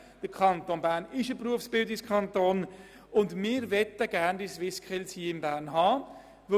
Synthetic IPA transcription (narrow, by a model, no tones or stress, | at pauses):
d̥əɾkʰɑntonbæːɾnɪʃəpɾuəfsb̥ɪldɪskʰχɑntoːn | ʊndmɪːɾʋɛt̪əɡ̥æːɾndisʋɪskχɪlshiəɪmbæːɾnɦɑː | ʋ